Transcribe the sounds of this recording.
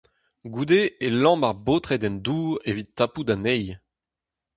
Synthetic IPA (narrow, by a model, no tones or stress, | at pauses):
ɡuːd̪eːlɑ̃maʁboːt̪χɛd̪ɛnd̪uːʁevitːapud̪anɛj